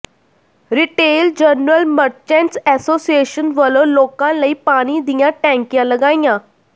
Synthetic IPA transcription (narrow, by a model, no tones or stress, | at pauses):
ɾiʈeld͡ʑənɾəlməɾt͡ɕɛ̃nt͡sɛsosieɕənʋəlolokãnlaiːpaɽ̃id̪ijjãʈɛ̃ŋkjãləɡãja